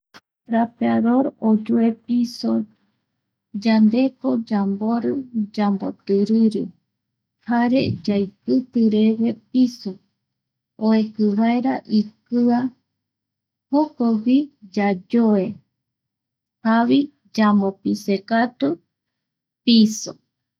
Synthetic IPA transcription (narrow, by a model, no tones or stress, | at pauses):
ɾapeaðoɾod͡ʒuepiso | d͡ʒand̪e̞kod͡ʒamboɾɨd͡ʒambo̰t̪ɨɾɨɾɨ | haɾḛd͡ʒajpɨt̪ɨɾewepiso | oekɨβaeɾaʔikɨa | hokowid͡ʒad͡ʒoe | haβi | d͡ʒambopisekat̪u | piso